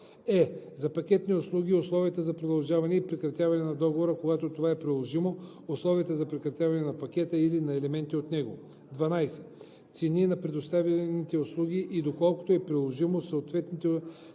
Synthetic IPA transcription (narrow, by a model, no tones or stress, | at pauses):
ɛzɐpɐkʲɛt̪nioslˠuɡ̟ʲioslˠɔviət̪əzɐpɾod̪ɐlˠʒavɐnɛipɾɛkɾɐt̪ʲjavɐnɛnɐd̪ɔɡovoɾəkoɡat̪ot̪ovaɛpɾilˠoʒimo | oslˠɔviət̪əzɐpɾɛkɾɐt̪javɐnɛnɐpɐk̟ʲɛt̪əilinɐɛlɛmɛnt̪iot̪nɛɡo | d̪vɐnajsɛ̥ | t̪sɛninɐpɾɛd̪ost̪avjɐnit̪ɛoʊslˠuɡ̟ʲiʔːd̪okɔlˠko̥t̪oɛpɾilˠoʒimosoːt̪vɛt̪nit̪ɛ